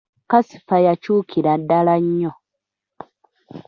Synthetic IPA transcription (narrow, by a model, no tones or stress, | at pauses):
kasi̥fajacuːkʰiɾadːalaɲːo